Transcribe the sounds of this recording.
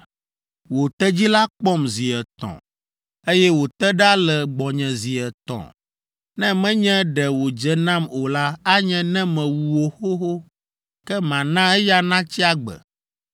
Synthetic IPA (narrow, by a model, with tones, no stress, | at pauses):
wo˨t̪ɛ˦d͡ʑi˦la˦k͡pɔ˦mzi˨ɛ˨t̪ɔ̰̃˨ | e˦jɛ˦wo˨t̪ɛ˦ɖa˦lɛ˨ɡ͡bɔ˨ɲɛ̃˨zi˨ɛ˨t̪ɔ̰̃˨ | nɛ̃˦mɛ̃˦ɲɛ̃˦ɖɛ˨wo˨d͡ʒɛ˦nã˦mo˨la˦a˦ɲɛ̃˦nɛ̃˦mɛ̃˨wu˨wo˨xo˦ɦo˦ | kkɛ˦mã˨nã˦ɛ˦ja˦nã˦t͡ɕi˦a˦ɡ͡bɛ̰˨